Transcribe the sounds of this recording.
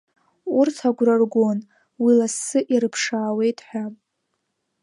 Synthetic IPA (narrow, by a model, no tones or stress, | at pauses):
urtʰaɡʷrarɡʷon | wilasɨʔiɾɨpʰʂaːwe̞jtʼħʷᶣa